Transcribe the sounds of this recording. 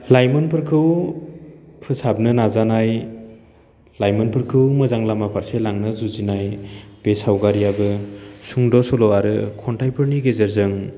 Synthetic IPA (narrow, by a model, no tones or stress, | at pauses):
lajmɯnpʰɯɾkʰɯw | pʰɯsab̚nɯnazanaj | lajmɯnpʰɯɾkʰɯwmɯzaŋlamapʰaɾselaŋnɯzuzinajb̥esawɡaɾijabɯsuŋdɔsɔlɔaɾɯkʰɔntʰajpʰɯɾniɡezeɾzɯŋ